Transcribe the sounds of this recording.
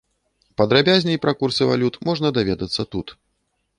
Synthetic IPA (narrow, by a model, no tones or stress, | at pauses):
pɐd̪ɾabʲazʲnʲɐjpɾakursɨva̰lʲut̪mɔʐnɐd̪avʲɛd̪ɐt̪sːɐt̪ut̪